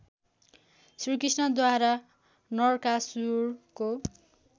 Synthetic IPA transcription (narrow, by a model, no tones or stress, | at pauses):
srikrisnʌd̪waɾa | nʌrkasurko